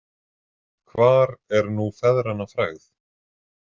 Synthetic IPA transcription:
kʰvaːɾɛɾnufɛðɾanafɾaɣθ

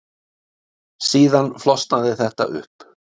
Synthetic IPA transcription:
siːðanflɔst̪naðɪθɛht̪a̰ʔʏ̰hp

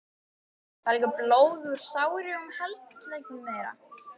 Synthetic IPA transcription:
θaɾliːkaploːwðʏɾ̥saːwɾɪʏmhɛlt̪lejknɪejɾa̰

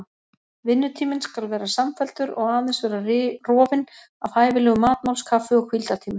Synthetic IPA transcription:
vɪnːʏt̪ʰiːmɪnskalvɛːɾasamfɛl̥t̪ʏɾɔ̰ɣaːðɪnsvɛːɾarɔːvɪn | avhaːjvɪlɛːɣʏmaːt̪̚mawlskʰafʏɔɣkʰvilt̪at̪ʰiːmʏ̥

